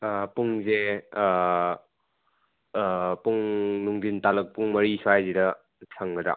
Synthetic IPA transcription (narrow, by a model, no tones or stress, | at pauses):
puŋze | puŋnuŋdintalɐk̚puŋmɐɾisʰuajzidɐ | sʰaŋɡɐda̰